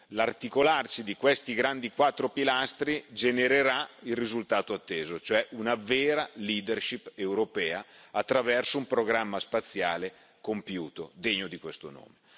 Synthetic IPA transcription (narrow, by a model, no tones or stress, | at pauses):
lart̪ikolarsid̪ikwest̪iɡɾand̪ikwat̪ːɾopilast̪ɾid͡ʒeneɾeɾailrizult̪aːt̪oat̪ːeːzot͡ʃoɛʔunaveːɾaliːd̪erʃipːewɾopɛːaat̪ːɾavɛrsoumpɾoɡɾamːaspat̪sːjaːle | kompjuːt̪od̪eɲːod̪ikwest̪ono̰ːme